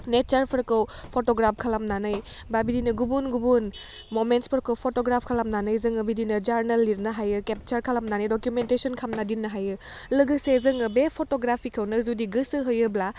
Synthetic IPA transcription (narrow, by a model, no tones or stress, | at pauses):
net͡ʃaɾpʰɯɾkɐwpʰotoɡɾap̚ʰkʰalamnanɯj | babidinɯɡubunɡubun | momentspʰɯɾkɐwpʰotoɡɾapʰkʰalamnanɯjzɯŋɐbidinɯd͡ʒaɾnelːiɾnɐɦajɯkep̚t͡ʃɐɾkʰalamnanɯjdokjumentesɔnkʰamnadinːɐɦajɯ | lɯɡɯsezɯŋɐbepʰotoɡɾapʰikʰɐwnɯzudiɡɯsɯɦɯjɯbla